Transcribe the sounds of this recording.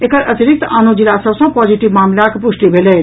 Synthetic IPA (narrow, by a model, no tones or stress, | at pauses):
ekəɾʔət̪iɾik̚t̪aːnod͡ʒilasəbsə̃pɔːd͡ʒiʈiʋmaːmlakpuʃʈibʱelɛː